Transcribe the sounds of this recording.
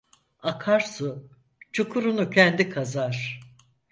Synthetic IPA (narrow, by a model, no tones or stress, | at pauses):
akʰaɾsɯ | t͡ʃʰukʰuɾunucʰɛnd̪ikʰazaɾ̥